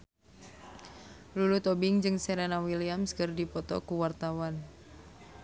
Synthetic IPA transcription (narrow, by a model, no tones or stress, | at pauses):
lulut̪ɔbiŋd͡ʒɨŋsɛɾenawiliamskɨrdipɔt̪ɔ̰kuwart̪awan